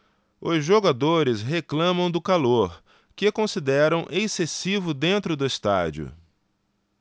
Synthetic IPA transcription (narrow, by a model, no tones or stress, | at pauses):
ʊzʒoɡad̪oɾɪsɦeklɐ̃mɐ̃w̃d̪ʊkaloɾ | kɪkõsid̪ɛɾɐ̃w̃ʔesesivʊd̪ẽnt̪ɾʊd̪ʊɪst̪a̰d͡ʒiʊ̰